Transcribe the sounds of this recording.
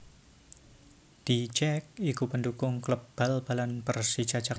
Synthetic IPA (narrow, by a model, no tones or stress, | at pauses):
d̪̥it͡ʃɛk̚ikupəndukʊŋkləb̥alb̥alanpərsit͡ʃat͡ʃak